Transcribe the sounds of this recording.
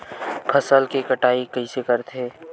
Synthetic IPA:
pʰɐsəlkekəʈaːikɐĩsekəɾt̪ʰeː

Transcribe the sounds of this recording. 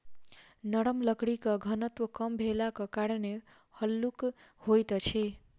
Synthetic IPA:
nəɽəmləkɽikʌɡʱənət̪wəkʌmbʱelakʌkaɾəne | həlːukhojt̪t͡ʃʰe

